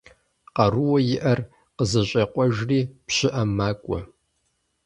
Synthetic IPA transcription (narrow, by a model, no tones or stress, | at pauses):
qɐruwɔjɪʔɐr | qəzɐɕʼɐqʷɔʒriːpɕɪʔɐmːaːkʷʼɔ̰